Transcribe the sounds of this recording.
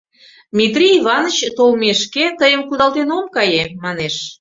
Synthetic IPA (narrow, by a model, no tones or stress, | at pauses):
mʲit̪rʲiːβɑnət͡ɕt̪olmeʃket̪əjəmkud̪ɑlt̪enomkɑjemɑneʃ